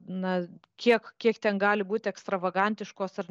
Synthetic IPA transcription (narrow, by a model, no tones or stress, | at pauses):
nɐkʲiɛkkʲiɛkt̪ʲɛnɡɑːlʲɪbuːt̪ʲɛkst̪ɾɐʋɐɡɐnʲt̪ʲɪʃkoːsɐr